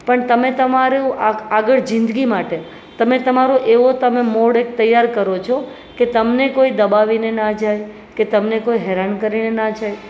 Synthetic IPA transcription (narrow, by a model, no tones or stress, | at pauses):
pəɳt̪əmet̪əmaɾẽaaɡəɭd͡ʒɪ̃nd̪ɡimaʈe | t̪əmet̪əmaɾoʔeʋot̪əmemoɽek̚t̪əjːaɾkəɾot͡ʃʰo | ket̪əmnekoid̪əbaʋinenad͡ʒaj | ket̪əmnekoiɦɛɾankəɾinenad͡ʒaj